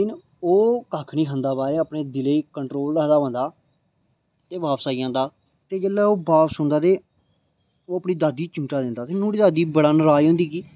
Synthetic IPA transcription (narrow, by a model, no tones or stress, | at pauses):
ɪn | oːkaːkʰɳiːkʰənd̪aːbaːɾeːəpɳeːd̪ɪleiːkəɳʈɾoːlːəːd̪aːʋə̃ːnd̪aː | t̪eːbaːpsaːiːãːnd̪aː | t̪eːd͡ʒeːlːaːoːbaːpsʊ̃nd̪aːt̪eː | oːəpɳiːd̪aːd̪iːt͡ʃɪŋʈaːd̪ɪ̃nd̪aːt̪enũːɽiːd̪aːd̪iːbəɽənɾaːiːɦʊ̃nd̪iːkiː